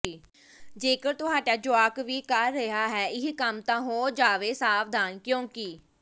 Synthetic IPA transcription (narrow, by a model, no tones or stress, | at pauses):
d͡ʒeːkəɾt̪ʊɦaːɖaːd͡ʒʊaːkʋiːkəɾːəɦaːɦɛːɪɦikəmt̪ãːɦoːd͡ʒaːʋeːsaːfd̪aːnkjõːkɪː